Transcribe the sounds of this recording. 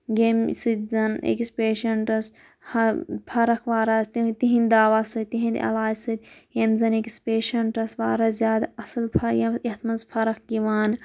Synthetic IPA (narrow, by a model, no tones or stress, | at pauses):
ɡemsɨt̪zɐnʔḛkispeːʃɐɳʈɐs | hɐpʰɐɾɐkʰʋaːɾaːst̪t̪iɦĩnd̪aːʋaːsɨt̪iɦĩnd̪ɐ̰laːd͡ʒsɨt̪ʲjemzɐneki̥speːʃɐɳʈɐsʋaːɾaːzjaːd̪aɐsɐlpʰɐjɐit̪mɐnzpʰɐɾɐkɡiʋaːn